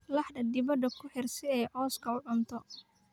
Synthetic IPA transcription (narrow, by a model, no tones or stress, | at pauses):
lɑħɖɐd̪ɪbɐd̪ɐkʰʊħɪrsɪɛːʕɔːskʰɐʊʕʊnt̪ʰɔ